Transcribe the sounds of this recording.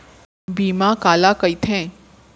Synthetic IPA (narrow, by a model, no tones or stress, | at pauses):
bimãkalakəjt̪ʰẽ